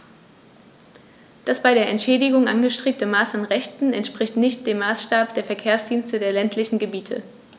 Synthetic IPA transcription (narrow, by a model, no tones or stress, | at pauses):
d̥asb̥aɪɾeːɐʔɛntʃɛːdɪɡʊŋʔanɡəʃtʁ̥eːp̚təmaːsanʁɛçtn̩ɛntʃpʁ̥ɪçtnɪçt̚d̥eːmːaːsʃtaːp̚d̥eːɐfɛɐkʰeːɐsd̥iːnstədeːɐlɛntʰlɪçn̩ɡəbiːtʰə̰